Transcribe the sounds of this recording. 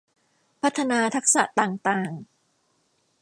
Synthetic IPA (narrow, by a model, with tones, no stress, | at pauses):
pʰa˦˥t̪ʰːa˧naː˧t̪ʰa˦˥k̚sa˨˩t̪aː˨˩ŋt̪aː˨˩ŋ